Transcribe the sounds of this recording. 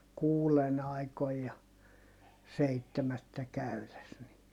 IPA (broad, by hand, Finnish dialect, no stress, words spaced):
kuːlen ɑikoij jɑ seitːemætːæ kæyles ni